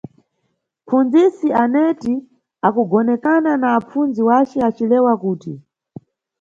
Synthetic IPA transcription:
fund͡zisianɛti | akuɡɔnɛkananaːp͡funziwat͡ʃɛat͡ʃilɛwakuːti

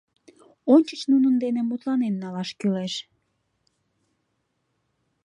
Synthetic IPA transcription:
onʲt͡ɕət͡ɕnunənd̪enemut̪lɑnenːɑlɑʃkyleʃ

